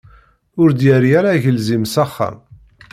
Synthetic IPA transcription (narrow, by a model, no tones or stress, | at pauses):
ʊɾd̪jəɾjæɾaʝəlzimsæχːa̰m